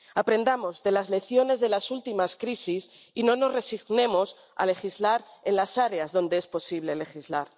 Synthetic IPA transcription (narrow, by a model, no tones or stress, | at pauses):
apɾe̞nd̪amo̞zðe̞lazle̞θjo̞ne̞zðe̞lasult̪imaskɾisisino̞no̞zre̞siɣnẽ̞mo̞s | a̰le̞xizlaɾe̞nlasaɾe̞azðo̞nd̪e̞espo̞siβ̞le̞le̞xizlaɾ